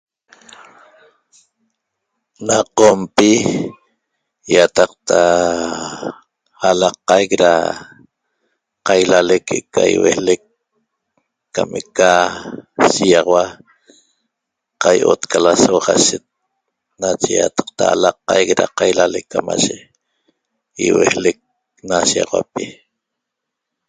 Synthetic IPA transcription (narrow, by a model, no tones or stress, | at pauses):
naqompi | jat̪ɑq̚t̪ʰa | halɑqajkɾa̰ | qajlalekʰeʔkːajwḛlek | ameka | sijɑʁɑwa | qajʔo̰t̪kalasoʁaʃet̪̚ | nat͡ʃeja̰t̪ɑ̥q̚t̪aːlɑqːɑjkɾaqajlalekːama̰ʒe | iwḛhlek̚ | nasiɑʁwa̰pi